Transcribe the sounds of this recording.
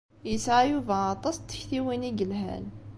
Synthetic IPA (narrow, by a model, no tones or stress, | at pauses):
isʕjuvaɑt̪ˤɑsˤt̪ːə̥çθiwiniɡəlɦæ̰n